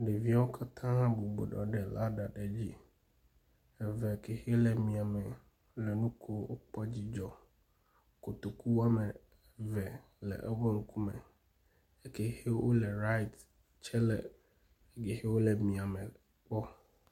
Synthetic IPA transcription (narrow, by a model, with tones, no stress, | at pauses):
ɖe˨vi˦a˦wo˦kʰa˦t̪ʰã˦bu˨bo̰˨ɖɔ̰˨ɖɛ˨la˦ɖa˨ɖɛ˨d͡ʑi˦ | ɛ˨vɛ˨ke˨xe˦lɛ˨mĩ˨a˨mɛ˨˦ | lɛ˨nũ˦kʰo˦wo˦k͡pɔ˦d͡ʑi˦d͡ʒɔ˨ | ko˨t̪o˨ku˦wa˦mɛ˨ | vɛ˨ | lɛ̰˨ʔɛ˦βɔ˦ŋũ˦ku˦mɛ̰˨ | ɛ˨ke˨he˦wʔo̰˦lɛ˨ɾa˦i˨t̪ | t͡ʃɛ˦lɛ̰˦˨ | ɡe˨he˦wo˦lɛ˨mĩ˨a˨mɛ˨ | k͡pɔ˦